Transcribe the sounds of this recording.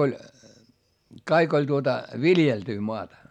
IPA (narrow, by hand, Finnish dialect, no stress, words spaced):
olʲ kɑik olʲ tuotɑ ʋiljeltyː moɑtɑ